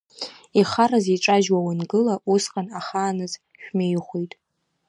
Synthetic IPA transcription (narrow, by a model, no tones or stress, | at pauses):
iχaraziʈ͡ʂʼaʒwawanɡɨlaʔusqʼanaχaːnɨz | ʃᶣmejχʷejtʼ